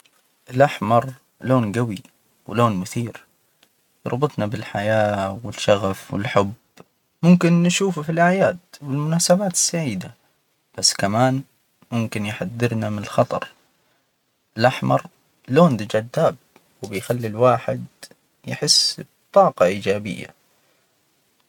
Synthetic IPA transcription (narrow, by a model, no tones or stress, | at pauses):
ʔɪlʔaħmɑɾˤ | loːnɡawi | wɪloːnmʊθiːɾ | jɑ̰ɾˤbɨt̪ˤnabɪlħajaːwɪlʃɑɣafwɪ̰lħʊb | mʊmkɪnːʃuːfufilʔaʕjaːd̪wɪlmʊnaːsabaːt̪ɪ̥sːaʕiːd̪a | b̥asːkamaːn | mʊmkɪnjħad̪ːɪɾnamɪnɪlxɑt̪ˤɑ̰ɾˤ | ɪlʔaħmɑ̰ɾˤ | loːnd̪ɪd͡ʒad̪ːaːb̚ | wɪbɪjxalːilwaːħɪd̪ | jɪħɪsː | t̪ˤːɑːqɑʔiːd͡ʒaːbɪ̰jːa̰